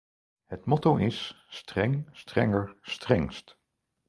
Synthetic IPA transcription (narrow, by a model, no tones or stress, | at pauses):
hətmɔtowʔɪs | strɛŋstrɛ̰ŋəɹstrɛŋst